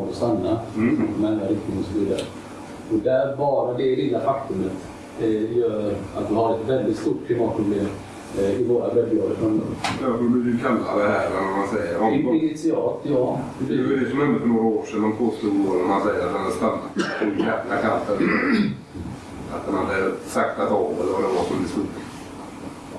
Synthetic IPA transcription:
ɡ̪ɔst̪anːaɔmɛɛnaɾɪk̚t̪ɪŋɔsɔviːd̪a̰ɾə̰ | ɔd̪æɾbɑːɾad̪ɛheːlːafakt̪ɵmət̪ | jœːɾat̪̚d̪ɪhaɾɛt̪vɛld̪ɪt̪st̪uːʈ̚kʰlɪmɑːt̪pʰɾʊbleːm | ɪvoːɾabɛb̪blɔɡəfɾɔmd̪̰jɑfɔdɪblɪkɪkʰalːa̰d̪ɛhæːɾɛnɔmansɛjːəɾɔɪɪnɪt̪sɪɑːt̪jɑː | ɛd̪ɛsɔmhɛnd̪əfœɳoːɾaoːʂɛnmanpʰoːst̪uːɡ̪oːnɔmhansɛjːəɾat̪hanhad̪əst̪anːat̪ʰɔjɛmlakʰant̪ən | at̪̚hanhad̪əəɛsɛkt̪at̪ɑːvɛ̰lːəɾvad̪ɛvasɔmɛlɪst̪uːʈ

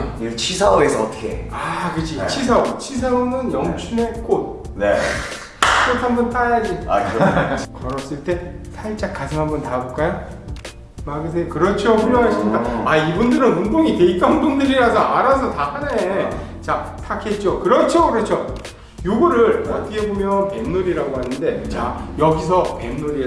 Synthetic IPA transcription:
it͡ɕʰisʰaoɡesʰʌːt͈ʰʌ̥kʰḛakɯd͡ʑit͡ɕʰis̬ʰaot͡ɕʰis̬ʰaomɯnjʌŋɕʰine̞k͈ot̚ | nḛ | k͈otʰhambʌnt͈ajad͡ʑiakkʌɾʌs͈ɯɭt͈e̞ | sʰaɭt͡ɕ͈akk͈asʰɯŋɦambʌntabok͈aja | maɡɯs̬ʰejkɯɾʌt͡ɕʰoɸuɭjoŋɦaɕʰimɲikaaibundɯɾɯnundoŋite̞it͈ʌndoŋdɯɾiɾasʰʌaɾasʰʌtahane | t͡ɕatʰakʰe̞t̚t͡ɕ͈okɯɾʌt͡ɕʰokɯɾʌt͡ɕʰo | joɡʌɾɯɾʌtʰʌkʰe̞bomjʌnpe̞mnoɾiɾaɡoɦanɯnde̞t͡ɕajʌɡis̬ʰʌpemnoɾie

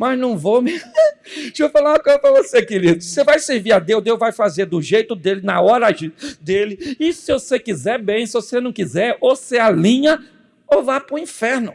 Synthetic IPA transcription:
mɐznɐ̃w̃vome | ʃofalakõpɾɐvosekɪɾid̪ʊsevajseɾviɾad̪ewd̪ewvajfazeɾd̪ʊʒejt̪ʊd̪elɪnɐɔɾɐd̪elɪɪsɪvosekizɛɾbẽj̃sɪvosenɐ̃w̃kizɛɾosealĩɲɐ | owvapʊĩfɛɾnʊ

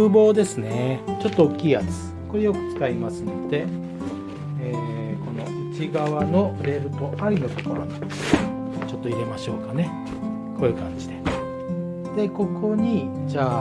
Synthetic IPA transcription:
ɯbo̞ːd̪e̞sɨne̞t͡ɕo̞t̪ːoːkʲːiːjat͡sɨ̥ | ko̞ɾe̞jo̞kɯ̟̥t͡sɨ̥kaimasɨno̞d̪̥e̞ | e | ko̞no̞ɯt͡ɕiɡaβano̞ɾe̞ɾɯ̟t̪o̞ʔaɾʲino̞t̪o̞̥ko̞ɾo̞̰na | t͡ɕo̞t̪ːo̞iɾe̞maɕo̞ːkane̞ | ko̞ːɯkã̰ɲ̟d͡ʑid̪e̞ | d̪̥e̞ko̞kʰo̞ɲ̟id͡ʑaː

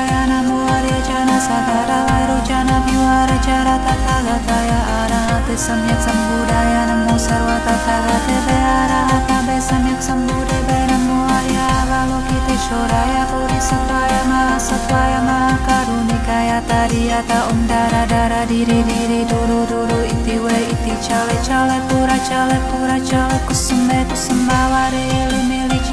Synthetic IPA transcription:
jaːnamoaɾed͡ʒaːnasad̪aːɾaʋaːjɾot͡ʃaːnabjuaːɾɐt͡ʃaːɾaːt̪akaːɡ̪at̪aːjaaɾaɦɐt̪esɐmjɐksɐmbuːd̪ajanɐmosɐɾʋat̪at̪aːɡat̪ebɛaːɾaɦɐt̪abɛsɐmjɐksɐmbuːɾebɛnɐmːoaɾjaʋaːlokit̪eʃoɾajapuɾisəkajamaasəkajamaakaɾunikajat̪adiat̪aumdaɾadaɾadiɾidiɾiduɾuduɾuit̪iwɛit̪it͡ʃalɛt͡ʃalɛpuɾat͡ʃalɛpuɾat͡ʃalɛkəsəmbɛkusəmbawaɾeilimilit͡ʃ

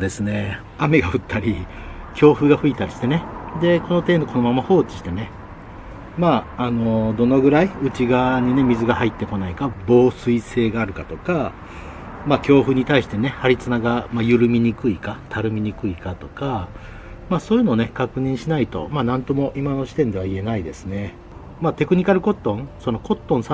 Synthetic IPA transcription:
od̪e̞sɨne̞ | ame̞ɡaɯ̟t̪ːaɾʲi | kʲo̞ːɸɯ̟ɡaɸɯ̟it̪aɾʲiɕi̥t̪e̞ne̞d̪e̞ko̞no̞t̪e̞ːnoko̞no̞mamaho̞ːt͡ɕi̥ɕi̥t̪e̞ne̞ | maːano̞d̪o̞no̞ɡɯ̟ɾaiɯ̟t͡ɕiɡaɲ̟ine̞mʲizɨɡahait̪ːe̞ko̞naikabo̞ːsɨise̞ːɡaːɾɯ̟kat̪o̞ka | maːkʲo̞ːɸɯ̟ɲ̟it̪aiɕi̥t̪e̞ne̞haɾʲit͡sɨnaɡamajɯ̟ɾɯ̟mʲiɲ̟ikɯ̟ikat̪ʰaɾɯ̟mʲiɲ̟ikɯ̟ikat̪o̞ka | maːsoːjɯ̟no̞ːne̞kakɯ̟ɲ̟ĩɰ̃ɕinait̪o̞̰maːnãnt̪omo̞ʔimano̞ɕi̥t̪ẽ̞nd̪e̞βaie̞naid̪e̞sɨne̞ | maːt̪e̞kɯ̟ɲ̟ikaɾɯ̟ko̞t̪ːõ̞ŋso̞no̞ko̞t̪ːõ̞ɰ̃sa

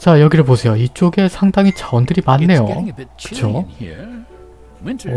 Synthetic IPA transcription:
t͡ɕajʌɡiɾɯɭp̬osʰe̞joit͡ɕ͈oɡe̞sʰaŋdaŋit͡ɕawʌndɯɾimanːe̞jo̰kɯ̥t͡ɕʰo

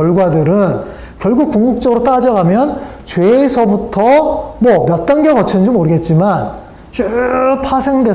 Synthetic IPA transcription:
jʌɭɡwadɯɾɯn | kjʌɭɡuk̚kuŋɡuk̚t͡ɕ͈ʌɡɯɾot͈ad͡ʑʌɡamjʌnt͡ɕwe̞ːsʰʌbutʰʌmwʌmjʌt̚t͈aŋɡjʌkʌt͡ɕʰʌnɯnd͡ʑomoɾɯɡe̞t̚t͡ɕ͈iman | t͡ɕupʰasʰeŋdwe̞

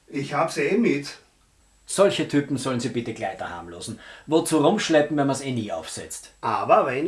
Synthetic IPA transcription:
ɪçhaːbsenmɪt | sɔlçətʰyːpm̩zɔlənziːbɪtəklaɪtɐha̰ːmlo̰ːzn̩vot͡suːʁʊmʃlɛpm̩vɛnmɐseːniːʔa̰ʊfsɛ̰t͡stʔaːbɐvɛn

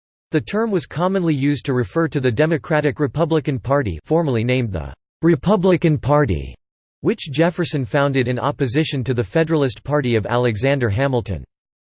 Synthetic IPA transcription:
ðɨtʰɜ̃˞mwʌz̥kʰɑmə̃nlijʉztʰɨɹɨfɜ˞ɾɨðɨdɛmɨkʰɹ̥æɾɨkɹɨpʰʌblɨkɨ̃npʰɑɹɾḭfɔɹmə˞lˠinẽɪ̃mðə̰ | ɹɨpʰʌblɨkɨ̃npʰɑɹɾḭ | wɨt͡ʃd̥ʒ̥ɛfə˞sɨ̃nfãʊ̃ndɨɾɨ̃nɑ̰pɨzɪʃɨ̃ntɨðɨfɛɾə˞l̩ˠɨspʰɑɹɾiʌvæ̰lˠɨɡzæ̃ndə˞ɦæ̃ml̩ˠtɨ̰̃n

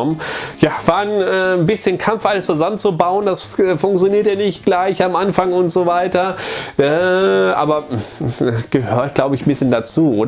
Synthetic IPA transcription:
mjaːv̥aːnɛːnbɪsçənkʰamfʔaləst͡suzamənt͡subaʊənd̥asɛfʊŋkt͡sjoniːɐtjanɪçtɡ̥laɪçamʔanfaŋʊntz̥oːvaɪtɐʔɛːʔa̰ːbɐ | ɡ̥əhøːɐtɡ̥laʊbəɪçmbɪsçəndat͡suːʔoːd

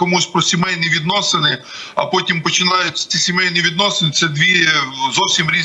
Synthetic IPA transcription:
kɔmusʲpɾɔsʲimɛjniʋʲid̪nɔsɪnɪ | ɐ̰pɔtʲimpɔt͡ʃɪnɑjʊtʲɐ̥t͡s̪ʲisʲimɛjnʲiʋʲid̪nɔsenɪt̪sɛd̪ʲʋʲizɔwsʲimɾʲi

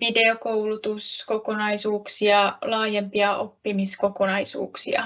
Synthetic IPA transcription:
ʋide̞okowlut̪uskokonɑisuːksiɑlɑːjempiɑʔopːimiskokonɑisṵːksḭɑ̰

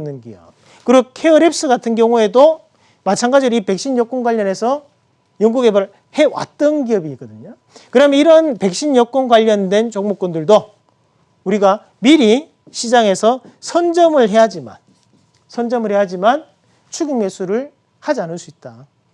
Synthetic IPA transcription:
nːɯnɡḭjʌ̰ | kɯɾʌkʰeʌɾe̞p̚s͈ɯɡatʰɯnɡjʌŋue̞do | mat͡ɕʰaŋɡad͡ʑiɾoipe̞k̚ɕ͈iɲjʌk͈ʌnɡwaʎːʌne̞sʰʌ | jʌŋɡuɡe̞baɭ | he̞wa̰t̚t͈ʌnɡiʌbiːɡ͈ʌdɯɲo | kɯɾʌameiɾʌnpe̞k̚ɕ͈iɲjʌk͈onɡwaʎːʌndwe̞nt͡ɕʌŋmok͈ʌndɯɭdo | uɾiɡa | miɾi | ɕʰid͡ʑaŋe̞sʰʌ | sʰʌnd͡ʑʌmɯɭɦe̞ɦad͡ʑima̰n | sʰʌnd͡ʑʌmɯɭheɦad͡ʑiman | t͡ɕʰuɡiŋmesʰuɾɯɭ | had͡ʑianɯɭs͈uit̚t͈a

